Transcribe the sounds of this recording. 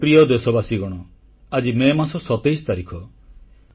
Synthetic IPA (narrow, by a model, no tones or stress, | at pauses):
pɾijɔd̪esɔbasiɡɔɽ̃ɔ | ad͡ʒimemasɔsɔt̪ejsɔ̥t̪aɾikʰɔ